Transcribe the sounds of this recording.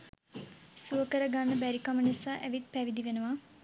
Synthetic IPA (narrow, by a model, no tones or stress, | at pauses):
suəkəɾəɡanːəbæɾikamənisaːʔæʋit̪̚pæʋid̪iʋenəʋa